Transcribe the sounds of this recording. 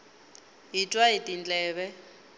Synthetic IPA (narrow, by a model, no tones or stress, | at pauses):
ɦitʼwaitʼind͡ɮʼɛːβɛ